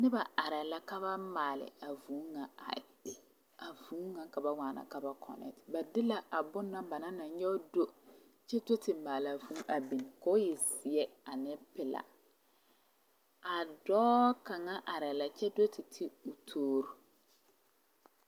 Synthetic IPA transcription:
nɪ˦ba˨a˨ɾɛ˨la˦ka˦ba˦maː˨lɪ̰˨a˨vuː˨˦ŋa˨a̰˨ | a˨vũː˨˦ŋa˨ka˨ba˨ŋʷaː˨na̰˨ka˨ba˦kʰɔ̰˨nɛ̰˨tba˨dɪ˦la˨ʔa˨bʊ˦nːa˦ba˨na˦na˨ɲɛ˦do˦ | t͡ʃɛ˦do˦tɪ˨maː˨la˨vu˦ʔa˨bi˨n˨ka˦ʊ˦jɛ˨sɪ˨ɛ˦a˨nɪ˦pɪ˨la̰˨ | a˨dɔː˦ka˨ŋa˦ʔa˨ɾɛ˨la˨t͡ʃɛ˦do˦tɪ˨tʰɪ˦ʊ˨tʰoː˦ɾo˦

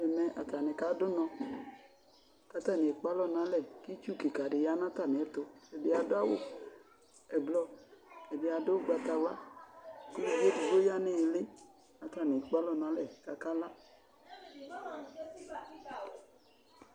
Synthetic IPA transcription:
ɛ˨mɛ˧ʔa˨ta˨nɪ̃˨ka˨˦dʊ˦nɔ̃˧ | ka˨˦ta˦˨nɪ˨e˨k͡pa˨˦lɔ˦nã˨˦lɛ˦˨ki˦t͡ʃu˦˨ki˨ka˨dɪ˨ja˦nã˦ta˦˨nɪ̃˨ɛ˨˦to˧ɛ˨dɪ˧a˧dʊ˦a˦wʊ̰˦ | ɛ˨blɔ˧ɛ˨dɪ˨˧a˧dʊ˦˨ɡ͡ba˧ta˧wa˦ | ku˦di˧˨be˦di˧ɡo˦ja˦nɪ̃˦˨lɪ˦ | a˨ta˦˨nɪ˨e˨k͡pa˦lɔ˦nã˨˦lɛ˦˨ka˧ka˦la˦

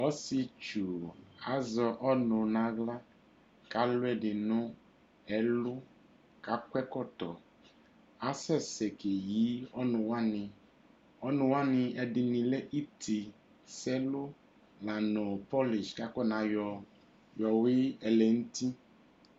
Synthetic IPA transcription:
ɔ˦sɪ˧t͡ʃu˨a˨˦zɔ˧ʔɔ˦nʊ˨nã˨˦ɣla˦ | ka˦lʊ˦ɛ˦˨dɪ˨nʊ̃˦ | ɛ˨lʊ˦ | ka˦kwɛ˦kɔ˦˨tɔ˨ | a˦sɛ˦˨sɛ˨ke˨ji˨˦ɔ˦nʊ̃˨wa˦nɪ˧ | ɔ˦nʊ̃˨wa˦nɪ˧ɛ˨dɪ˨nĩ˨lɛ˦ʔi˦tʰi˨ | sɛ˦lʊ˦ | la˨nʊ˨pɔ˦li˨ʃka˦kɛ˦nã˨jɔ˨˧ | jɔ˨wɪ˦ɛ˨lɛ˨n̩˦ti˦

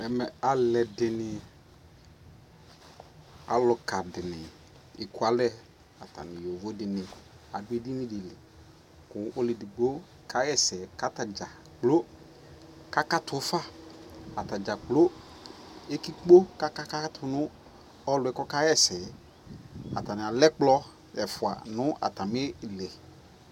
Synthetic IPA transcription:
ɛ˨mɛ˨a˨lɛ˨dɪ˨nɪ˨ | a̰˨lʊ˨ka˨dɪ˨nɪ˨ | ɪ˨kʊ˦a˦lɛ˦ | a˨ta̰˨nɪ˨jo˨vo˦dɪ˨nɪ˨ | a̰˨dʊ˦e˦di˦nɪ˦dɪ˨lɪ˨ | kʊ˨ʔo˦lɪ˨di˨ɡ͡bo˦ | ka˦jɛ˦sɛ˨ka˦ta˨d͡ʒa˨ | k͡plo˦ | ka˦ka˦tʊ˨˦fa˦a˨ta˨d͡ʒa˨k͡plo˦ | e˦ki˦k͡po˦ka˦ka˦ka˦tʰʊ˨nʊ˦ | ɔ˦lʊ˨ɛ˨kɔ˦ka˦jɛ˦sɛ˨˦ | a̰˨ta˨nɪ˨a˨lɛ˦k͡plɔ˦ | ɛ˨fʊ˨a̰˨nʊ˦a̰˨ta˨mɪ˦˨lɛ˨

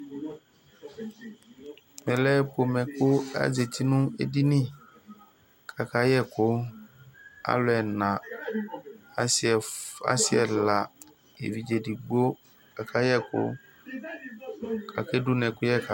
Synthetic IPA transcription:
mɛ̃˨lɛ˦po˨mɛ̃˨kʊ˦a̰˦ze˨t̪ʰi˦nũ˦ḛ˦di˦nĩ˦ | kʰa˨ka˦jɛ˦kʊ˦ | a̰˦lʊ˦ɛ˨nã˨ | a˦sɪ˨ɛ˨a̰˦sɪ˨ɛ˨la˨ | ḛ˨vi˨d͡ʒe˨di˨ɡ͡bo˦ | ka˨kʰa˦jɛ˦kʊ̰˦ | kʰa̰˨ke˦du˦nɛ̃˨kʊ˦jɛ˦ka˨

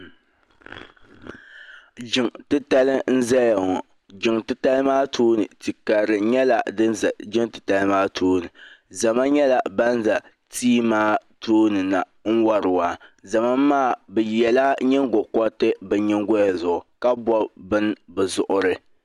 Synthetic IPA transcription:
d͡ʒɪ˨ŋtɨ˦ta˦lɨ˦n̩˦za˦ja˨ŋɔ˨ | d͡ʒɪ˨ŋtɨ˦ta˦lɨ˦maː˦tʰuː˦nɨ˨ti˨ka˨ɾɨ˨ɲɛ˦la˨dɨ˦n˨d͡ʒɪ˦ŋtɨ˨ta˦lɨ˦maː˦tʰoː˦nɨ˨za˨ma˦ɲɛ˦la˨ba˦n˦za˨ | tiː˦maː˦toː˦nɨ˨na˨ | ŋ̩˦wa˦ɾɨ˨wa˨za˨ma˦mː˦aː˦˨bɛ˨jɛ˨la˦ɲɛ˦ŋɡɔ˨kɔ˦tɨ˦bɨ˨ɲɛ˦ŋɡɔ˦ja˨zʊ˨ʔʊ˨ka˦bɔ˦bɨ˦nbɨ˨zʊ˨ʔʊ˨ɾɨ˨

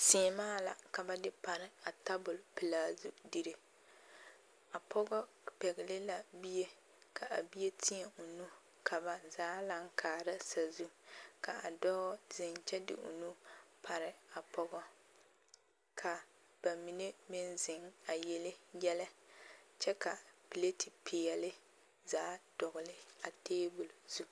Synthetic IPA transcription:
si˨maː˦la̰˨ka˨ba˦dɪ˦pa˨ɾɪ˦a˨ta˦bʊ˨lpɪ˨laː˨zu˦di˦ɾe˦ | a˨pʰɔ˦ɡɔ˦ | pɛ˨ɡɪ˨lɪ˦la˨bi˦je˦ | ka˨ʔa˨bi˦je˦tʰi˦ɲɛ˨o˨nu˦ | kʰa˨ba˨zaː˦la˦ŋ˦kʰaː˨ɾɪ˦sa˨zu˦ka˨a̰˨dɔ˦zɪ˨nt͡ʃɛ˦dɪ̰˨ʔʊ̰˨nu˦pʰa˨ɾɪ˨a˨pʰɔ˦ɡɔ˦ | kʰa˨ | b̥a˨mi˨ne˦mɪ˦nzɪ˨ŋa˨jɛ˨lɪ˦jɛ˦la˦t͡ʃɛ˦ka˨pi˨le˦tɪ˨pʰɪ˨ɛ˨lɪ˦ | zaː˦d̥ɔ˨ɣʊ˨lɪ˦a˨teː˦bʊ˨lzu˦

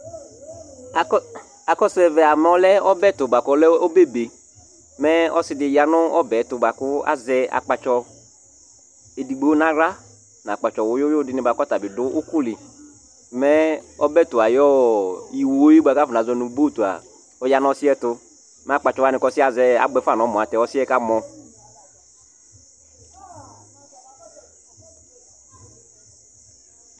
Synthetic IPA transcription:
a˨kɔ˦sɛ˨vɛ˨a˨mɔ˨lɛ˦ɔ˦bɛ˦˨tʊ˨ba˨kɔ˦lɛ˦o˦be˦be˨ | mɛ˦ɔ˦sɪ˦dɪ˨ja˨nʊ˦ɔ˦bɛ˨˦tʊ˨ba˨kʊ˦a̰˨zɛ˦a̰˨k͡pa˨t͡ʃɔ˧ | e˨di˨ɡ͡be˨˦o˦nã˦ɾa˦ | na˨k͡pa˨t͡ʃɔ˨wʊ˨˦jʊ˦jʊ˦dɪ˦nɪ˨˦ba˨kɔ˦ta˨bɪ˨dʊ˦ʔʊ˦kʊ˦lɪ˨˦ | mɛ˦ɔ˦bɛ˦˨tʊ˨a˨jɔ˦i˨wo˨˦o˦ji˦ba˦ka˦fʊ˨na˨zɔ˨˦nu˨˦ɡ͡bo˦˨tu˨a̰˨ | ɔ˨˦ja˦nɔ˦sɪ˦ɛ˦tʊ˦ | mɛ˦a˦˨k͡pa˨t͡ʃɔ˨wa˦nɪ̃˨kɔ˦sɪ˦a˨zɛ˨˦a̰˨ɡ͡bɛ˦fa˦˨n˨ɔ˨˦mɔ˨a˨tɛ˨˦ɔ˦sɪ˦ɛ˦ka˦mɔ˨

